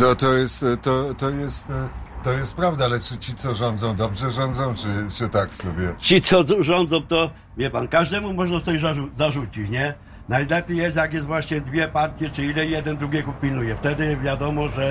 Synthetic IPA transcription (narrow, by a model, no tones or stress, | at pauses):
nɔt̪ɔjɛst̪t̪ɔt̪ɔjɛst̪ːɔjɛst̪̚pɾavd̪aalɛt͡ʂɘt͡ɕit̪sɔʐɔnd̪zɔ̃w̃d̪ɔbʐɛʐɔnd̪zɔ̃w̃t͡ʂɘt͡ʂɘt̪aksɔbʲjɛt͡ɕit̪sɔʐɔnd̪zɔ̃w̃t̪ɔ | vʲjɛpankaʐd̪ɛmumɔʐnast̪ɔbʲjzauzaʐut͡ɕit͡ɕɲɛ | najlɛpʲijɛst̪jak̬jɛst̪vwaɕɲɛd̪vʲjɛpaɾt̪ʲjɛt͡ʂɘilɛjɛd̪ɛnd̪ɾuɡʲɛkupʲilnujɛft̪ɛd̪ɘvʲjad̪ɔmɔʐɛ